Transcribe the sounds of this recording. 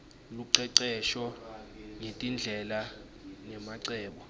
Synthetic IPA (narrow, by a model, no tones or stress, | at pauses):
luǀɛǀɛʃɔ | ŋetʼind͡ɮʱɛla | nɛmaǀɛːɓɔ